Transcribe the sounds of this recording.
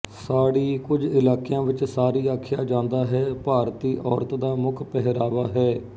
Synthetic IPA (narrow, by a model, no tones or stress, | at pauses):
saːɽiːkʊd͡ʒɪlaːkɪjãːʋɪt͡ʃsaːɾiːaːkʰɪjaːd͡ʒãːnd̪aːɦɛːpaːɾt̪iːʔɔːɾt̪d̪aːmʊkʰpɛɦɪɾaːʋaːɦɛː